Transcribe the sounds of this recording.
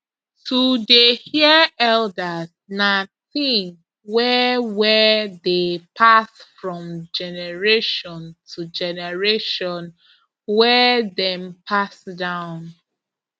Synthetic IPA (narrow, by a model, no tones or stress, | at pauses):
tʰudehiɛldas | naθĩŋ | wɛwɛdepʰasfɹɔ̃md͡ʒɛnɛɹeʃɔ̃ntʰud͡ʒɛnɛɹeʃɔ̃n | wɛdɛ̃mpʰasdãʊ̃n